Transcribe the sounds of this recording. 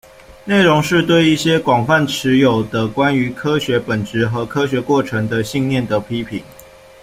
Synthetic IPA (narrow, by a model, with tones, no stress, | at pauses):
ne˥˩ɪɻɔ˧˦ŋʂɻ̩˥˧t̪we˥˧ɪi˥˩ɕjɛ˥kwɑ˨˩ŋfa˥˩nʈ͡ʂʰɻ̩˨˦jo˨˩ʊd̪ə˦kwa˦ny˧˥˦kʰɤ˥ɕɥɛ˨˥pə˨˩nʈ͡ʂɻ̩˨˥xɤ˧˥kʰɤ˥ɕ̬ɥɛ˧˥kwɔ˥˩ʈ͡ʂʰə˧˦ŋd̪ə˧ɕi˥˧ŋnjɛ˥˩nd̪ə˩pʰi˦˥pʰi˨˩˦ŋ